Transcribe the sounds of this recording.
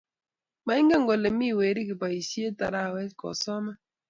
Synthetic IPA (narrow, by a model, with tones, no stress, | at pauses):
ma˨˦ɪ˦ŋɡa˦ŋɡɔ˨le˨mi˦˨we˨ɾi˦kɪ˨pa˨i˨sje˦ta˨ɾa˦˨wɛ˦kɔ̰˨sɔ˦mɛ˦